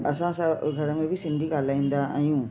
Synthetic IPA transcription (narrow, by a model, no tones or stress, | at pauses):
ɐsãsəɡʱɐɾmẽbʱisɪ̃nd̪ʱiɡaːlaːĩːn̆d̪aa̰ijũː